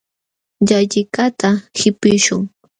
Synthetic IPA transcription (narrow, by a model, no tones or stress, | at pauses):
ʎaʎɪkat̪ʰahɪpɪʃʊŋ